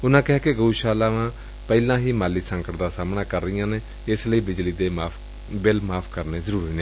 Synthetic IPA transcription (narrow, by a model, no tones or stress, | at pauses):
ʊnãːkɪɦaːkeɡəuʃaːlaːʋãː | pɛːlãːɦiːmaːliːsəŋkəɾd̪aːsaːmnãːkəɾːəijãːneː | ɪsləiːbɪd͡ʒliːd̪eːaːp | bɪlmaːpʰkəɾneːzəɾuːɾiːneː